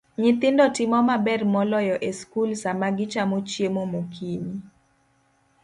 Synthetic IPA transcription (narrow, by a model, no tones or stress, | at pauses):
ɲɪt̪ɪndɔtɪmɔmabɛrmɔlɔjɔʔeskulsamaɡɪt͡ʃamot͡ʃjemomokʰiɲi